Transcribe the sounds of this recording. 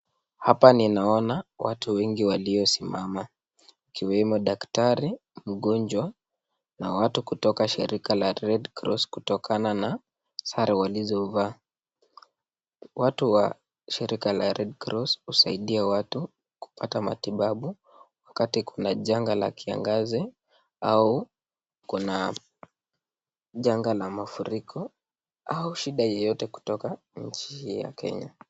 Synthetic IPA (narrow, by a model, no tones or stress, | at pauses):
hapaninaɔnawatuwɛŋɡiwaliɔsimama | ikiwɛmɔɗaktaɾi | m̩ɠɔɲd͡ʒwa | nawatukutɔkaʃḭɾʔikalaɾɛdkɾɔ̰skutɔkanana | saɾʔɛwalizɔvaː | watuwa | ʃiɾikalaɾʔɛdkɾɔshusaiɗiɛwatu | ku̥pʰatama̰tiɓaɓu | wakatikʰunaʄaŋɡala̰kia̰ŋɡazi | au | kuna | ʄaŋɡalamafuɾikʰɔ | auʃiɗajɛjɔtɛku̥tɔka | ɲ̩t͡ʃihija̰kɛ̰ɲa